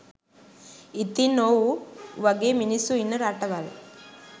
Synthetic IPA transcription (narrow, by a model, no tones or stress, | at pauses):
it̪inoːwuʋɐɡeminisuinːuɾaːʈɐʋal